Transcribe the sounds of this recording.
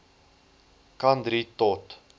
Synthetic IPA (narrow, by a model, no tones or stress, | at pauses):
kɐnd̪ɾit̪ɔt